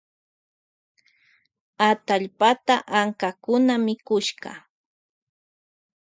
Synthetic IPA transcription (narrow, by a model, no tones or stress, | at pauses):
at̪aʎpat̪aʔaŋkakʊnamɪkʊʃɢɑ̰